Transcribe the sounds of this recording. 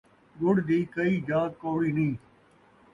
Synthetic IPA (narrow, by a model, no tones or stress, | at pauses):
ɡʊɽd̪iːkɐiːd͡ʒaːkoːɽiːnĩː